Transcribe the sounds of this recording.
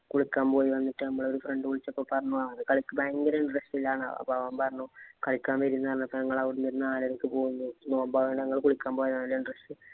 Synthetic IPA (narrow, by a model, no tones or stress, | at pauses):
kuɭikʲːaːmpo̞ːjiʋɐnːiʈːɨnɐmːɐɭo̞ɾufrɐɳɖɨkuɭit͡ɕːɐpːoːpɐrɐɲːuaːɐðɨkɐɭikːɨbaːŋɡɐlɐiɳɖrɐsʈilːaːɳɐ̰ɐ̰pːaɐʋaːmpɐɾɐnːuːkɐɭikʲːaːmʋeɾinːɐɐrnːɐpːɐːnɐŋːɐɭɐʋiɽunːiɾunːaːlɐɾɐkːɨpo̞ːɣunːunoːmbaːʋeɳɖeɐŋːɐɭkuɭikʲːaːmpoːjɐðaːilːɐiɳɖrɐsʈɨ